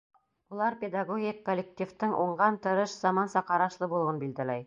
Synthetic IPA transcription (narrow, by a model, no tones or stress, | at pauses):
ulˠɑɾpʲed̪aɡoɡʲikːolʲːek̚t̪ʲift̪ɤɴʔuɴɢɑnt̪ɤ̆ɾɤʃz̥ɑmɑnsɑqɑɾɑʃlˠɤbulˠŭwɤnbild̪ælæj